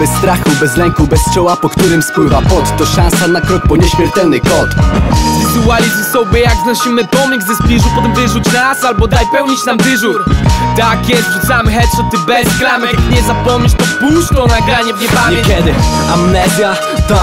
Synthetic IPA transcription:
bɛsːt̪ɾaxubɛzlɛŋkubɛst͡ʂɔwapɔkt̪uɾɘmspwɘvapɔt̪ːɔʂãñsanakɾɔk̚pɔɲɛɕmʲɛɾt̪ɛlnɘkɔt̪vʲizualʲizsɔwbʲɛjaɡznɔɕimɘpɔmʲiɡzɛspʲiʐupɔt̪ɛmvɘʐut͡ɕnaɾasalbɔd̪ajpɛwɲit͡ɕnamvɘʐuɾt̪akjɛst̪vʐut̪samɘxɛt͡ɕ̪ɔt̪ɘbɛzɡɾamkɲɛzapɔmɲiʂt̪ɔpuskɔnaɡɾaɲɛvɲɛbavɲɛkʲɛd̪ɘ | amnɛzʲja | t̪ɔ

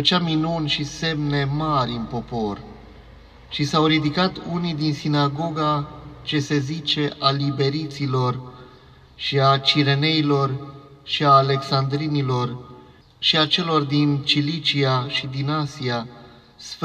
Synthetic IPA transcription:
ət͡ʃaminunʃise̞mne̞maɾʲɨnpo̞po̞r | ʃisawɾid̪ikat̪unid̪insinaɡo̞ɡat͡ʃe̞se̞zit͡ʃe̞ʔalibe̞ɾit̪silo̞r | ʃiat͡ʃiɾe̞ne̞ilo̞rʃiaːle̞ksand̪ɾinilo̞r | ʃiat͡ʃe̞lo̞rd̪int͡ʃilit͡ʃiaʃid̪inasia | sf

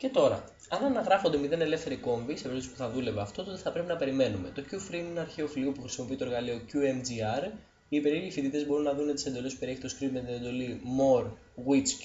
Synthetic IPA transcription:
ce̞t̪o̞ɾɐ̰ | ɐnɐnɐɣɾɐfo̞nd̪emiðe̞ne̞le̞fθe̞ɾiko̞ɱvise̞pɾisspuθɐðule̞veɐft̪o̞t̪ot̪eθɐpɾe̞pinɐpe̞ɾime̞nume̞t̪o̞cufɾinenɐɾçeofiliopuxɾi̥simo̞piit̪oɾɣɐlio̞cuemd͡ziɐɾ | iːpe̞ɾilifit̪it̪ezbo̞ɾunːɐðunet̪i̥send̪o̞le̞supeieçit̪o̞skɾit̪met̪ined̪o̞limo̞ɾ | ɣit͡s

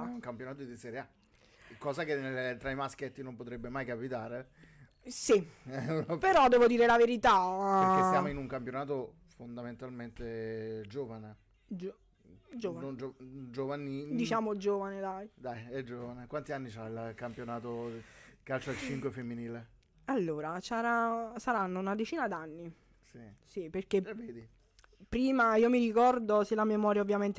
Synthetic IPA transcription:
uŋkampjonaːt̪od̪isɛɾea | kɔːzakenːelt̪ɾaimasket̪ːinompot̪ɾɛbːemajkapit̪aːɾe | siɛpeɾɔd̪ɛːvod̪iːɾelaveɾit̪aesiaːmoinuŋkampjonaːt̪̬o | fond̪ament̪alment̪ed͡ʒoːvane | d͡ʒ | d͡ʒoːvanond͡ʒod͡ʒovanid̪it͡ʃaːmod͡ʒoːvaned̪ajd̪ajɛd͡ʒoːvanekwant̪ianːit͡ʃailkampjonaːt̪okalt͡ʃalt͡ʃiŋkwefemːiniːle | alːoːɾat͡ʃaɾasaɾanːounad̪et͡ʃiːnad̪anːi | sisiperk̟eveːd̪i | pːɾiːmaiːomirikɔrd̪oselːamemɔːɾjaovːjament̪

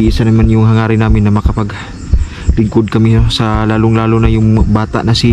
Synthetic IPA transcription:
iʔɪsɐnɐmanjʊŋɦɐŋaːɾɪnaːmɪnːɐmɐkɐpɐɡ | lɪŋkod̪̚kɐmɪsɐlaːloŋlaːlonɐjʊŋbaːt̪a̰ʔnɐsɪ

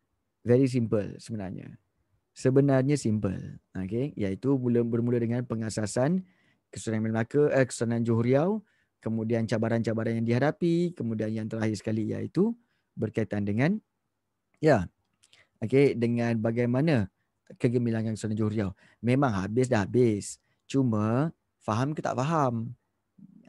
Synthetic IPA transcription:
vɛɾis̬impə̰lsəbəna̰rɲa̰ | səbənarɲasimpə̰lokejait̪umuləbərmulədəŋanpəŋasasan | kəsuananmlmlakəʔəkə̥suanand͡ʒoɦuɾiaw | kəmũdiant͡ʃabaɾant͡ʃabaɾanjaŋdihadapikəmũdianjaŋt̪əɾaɦɪrsə̥kalija̰ḭt̪u | bərkait̪andəŋãn | ja | okedəŋãnbaɡajmana | kəɡəmilaŋankəsuanand͡ʒoɦuɾiaw | mẽmãŋɦa̰bɪs̬daɦabɪs | t͡ʃumə̃ | faɦamkət̪a̰ʔfaɦam

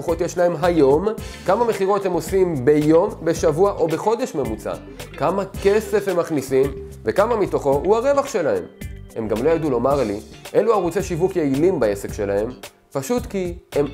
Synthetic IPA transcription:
oχo̞t̪jeʃlae̞mɦajo̞mkamame̞χiʁo̞t̪he̞mo̞simbe̞jo̞mbe̞ʃavuaʔo̞be̞χo̞d̪e̞ʃme̞mut͡sa̰ | kamake̞se̞fhe̞mːaχnisim | ve̞kamamit̪o̞χo̞huhaʁe̞vaχʃe̞lahe̞̰mhe̞mɡamlo̞jad̪ulo̞maʁliʔe̞luaʁut͡se̞ʃivukjeilimbae̞se̞kʃe̞lae̞m | paʃut̪kiem

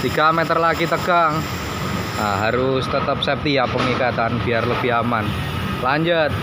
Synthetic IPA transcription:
t̪iɡ̥amet̪ərlaɡit̪əɡaŋ | aɦaɾʊst̪ət̪əp̚sɛp̚t̪ijapəŋikat̪anb̥iarlobiaman | laɲd͡ʒət̪̚

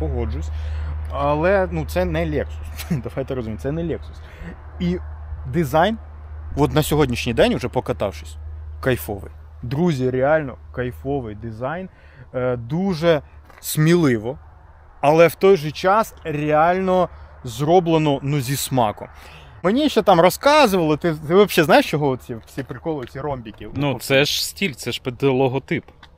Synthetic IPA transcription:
pɔɦɔd͡ʒʊsʲɐlˠɛnut̪sɛnɛlʲɛksʊ̥sd̪ɐʋajt̪ɛɾɔzʊmʲit̪̚ʲsɛnɛlʲɛksʊ̥s | id̪ɪzɑjn | ʋɔt̪nɐsʲɔɦɔdʲnʲiʃnʲijd̪ɛnʲʊʒɛpɔkɐt̪ɑ̰wʂʃɪ̥sʲkɐjfɔʋɪ̰jd̪ɾuzʲiɾeɑlʲnɔkɐjfɔʋɪjd̪ɪzɑjn | d̪uʒɛ | sʲmʲilˠɪʋɔ | ɐlˠɛwt̪ɔjʒɛt͡ʃɑsrʲeɑlʲnɔzɾɔblˠenɔnuzʲismɑkɔ̰m | menʲiʃɛt̪ɑmrɔskɑzʊʋɐlˠɔt̪ɪt̪ɪʋɔbʃɛznɑjɪʃt͡ʃɔɦɔɔt̪̚t͡sʲisʲipɾɪkɔlˠɔjɪt͡sʲiɾɔmʲbʲikʲinut̪sɛʒsʲtʲilʲt̪sɛʃped̪lˠɔɦɔt̪ɪp

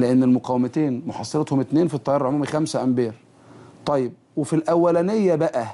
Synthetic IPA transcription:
leʔenːelmʊqɑwemæt̪eːnmoħɑ̰sˤːɑɾet̪homʔet̪neːnfit̪ˤːɑjɑːɾˤɑʕomuːmixæmsæʔæmbeːɾ | t̪ˤɑjːeb̚wefilʔæwːælænejːæbæʔæ

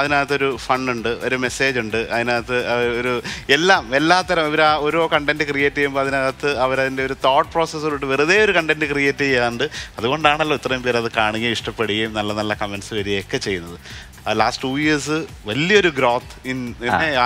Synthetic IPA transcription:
ɐðinaːjɐt̪ːo̞ɾufɐɳːuɳɖɨo̞ɾume̞se̞ːd͡ʑuɳɖɨʔɐ̰ðinaːjɐt̪ːɨɐɐoɾuelːaːme̞lːaːt̪ːɐɾɐmiʋɐɾaoɾoːkɐɳʈendɨkrijeːtːɐjumboːɐðinaːjɐt̪ːɨɐʋɐɾɐðinde̞o̞ɾut̪oːʈ̚ːproːsesiluɳɖɨʋirɨðe̞ːo̞ɾukɐɳɖendɨkrijeːtːijjaːnuɳɖɨɐðuɣo̞ɳɖaːɳɐlːoːit̪ːrɐjumpeːɾɐðɨkaːɳiŋːɐliʂʈɐpːeɽijɐjumnɐlːɐnɐlːɐkɐmenɖsɨʋɐɾijeokːe̞t͡ɕe̞jːunːɐðɨ | ɐlaːsʈʈuːjiɐrsɨ | ʋɐlːijɐo̞ɾuɡɾo̞ːt̪ːininːe

